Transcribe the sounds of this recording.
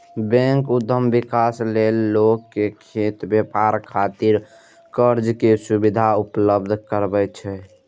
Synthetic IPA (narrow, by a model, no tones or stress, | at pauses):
bɛ̃ŋkud̪əmbikaslelːokːekʰet̪bepaɾkʰat̪iɾ | kəɾd͡ʒkesubid̪ʱaupləbd̪ʱkəɾbɛt͡ʃʰɛ